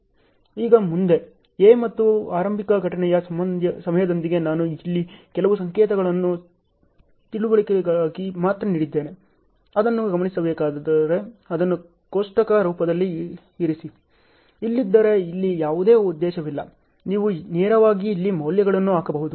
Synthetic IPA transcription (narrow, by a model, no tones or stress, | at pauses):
iːɡɐmund̪e̞ | eːmɐt̪ːuaːɾɐmbʱikɐɡʱɐʈɐɳɛjɐsɐmɐnd̪jɐsɐmɐjɐd̪ond̪iɡe̞naːnuilːikɛlɐʋusɐŋkɛːt̪ɐɡɐɭɐnːu | t̪iɭuʋɐɭikeɡɭaːɡimaːt̪ɾɐniːɽid̪ːe̞ːne̞ | ɐd̪ɐnːuɡɐmɐɳisɐbeːkaːdd̪ɐɾe̞ɐd̪ɐnːu | koʂʈɐkɐɾuːpɐd̪ɐlːiː | ɾisi | ilːid̪ːɐɾe̞ilːijaːʋud̪e̞ːud̪ːɛːʃɐʋilːɐ | niːʋuneːɾɐʋaːɡiːlːimɐwljɐɡɐɭɐnːuaːkɐbɐɦud̪u